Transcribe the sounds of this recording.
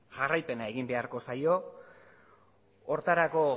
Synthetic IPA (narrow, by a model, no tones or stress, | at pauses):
ʝarajpe̞nae̞ɣimbe̞aɾko̞sajo̞ | ɾt̪aɾako̞